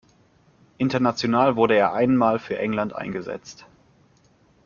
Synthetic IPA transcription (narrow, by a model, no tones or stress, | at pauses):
ʔɪntɐnat͡sjonaːlvʊɐɾəeːɐʔaɪnmaːlfyːɐʔɛŋlantʔa̰ɪnɡəzɛ̰t͡st